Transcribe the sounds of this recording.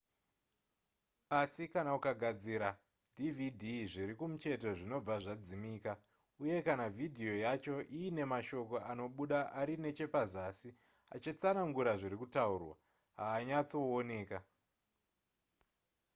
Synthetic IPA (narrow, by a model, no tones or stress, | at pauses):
asikanaukaɡʱad͡ziɾa | dʱividʱiʐiɾikumut͡ʃe̞to̞ʐino̞b͡vaʐad͡zimiːka | uje̞kanavidʱio̞jat͡ʃo̞ʔiːne̞maʃo̞ko̞ano̞ɓuɗaʔaɾine̞t͡ʃe̞pazaːsi | a̰t͡ʃit͡sanaŋɡuɾaʐiɾikutaurwa̰ | ɦaːɲat͡soone̞ːka